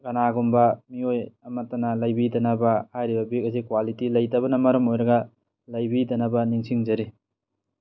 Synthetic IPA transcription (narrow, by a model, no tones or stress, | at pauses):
ɡɐnaɡumbɐmiojɐmɐtːɐnɐlɐjbidɐnɐbɐhajɾibɐbikɐzikwalitilɐjtɐβɐnɐmɐɾɐmojɾɐɡɐ | lɐjbidɐnɐbɐniŋsiŋd͡ʒɐɾi